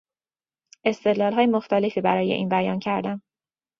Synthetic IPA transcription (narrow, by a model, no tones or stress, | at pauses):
ʔe̞st̪e̞d̪lɒːlɦɒːjemoxt̪æle̞fiːbæɾɒːje̞̰ʔiːnbæjɒːncʰæɾd̪æm